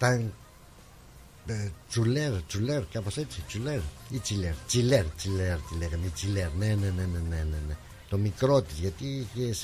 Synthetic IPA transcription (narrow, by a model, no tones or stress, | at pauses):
t̪aŋ | t͡ʃuleɾt͡ʃuleɾkapaset͡ʃit͡ʃuleɾit͡ʃileɾt͡ʃileɾt͡ʃileɾt͡ʃilekanit͡ʃileɾnenenenenenene | t̪omikɾot̪iskat̪ikes